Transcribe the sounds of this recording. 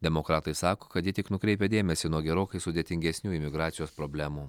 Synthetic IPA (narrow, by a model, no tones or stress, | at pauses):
d̪ʲɛmokɾɑːt̪ɐɪsɑːkoːkɐt̪jɪt̪ʲɪknʊkɾʲɛɪpʲɛd̪ʲeːmʲɛsʲɪnuɔɡʲɛɾoːkʲɐɪsʊd̪ʲeːt̪ʲɪŋʲɡʲɛsʲnʲuːɪmʲɪɡɾɑːt̪sʲɪjoːspɾoːbʲlʲæːmuː